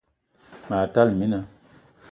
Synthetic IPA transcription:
ma˨ta˦lmi˦na˨

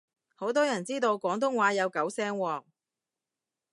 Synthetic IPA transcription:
ho˨˥wt̪ɔː˥jɐ˨˩nt͡siː˥t̪o˧wkʷɔː˨˥ŋt̪̬ʊ˥ŋwaː˨˥jɐ˨˧wkɐ˨˥wsɛː˥ŋwɔː˨ŋ̚

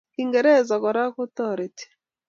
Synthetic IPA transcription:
ki˨ŋɡɛ˨ɾɛ˦˨zɔ˨kɔ˨ɾa˦ku˦t̪ɔ˦˨ɾe˨ti̥˨

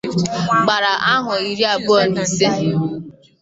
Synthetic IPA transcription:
k͡pa˨ɾa˨ʔa˦ɦʊ˨i˦ɾi˦a˨bɔ˦˨ni˨se˦ɦɪ˨˦

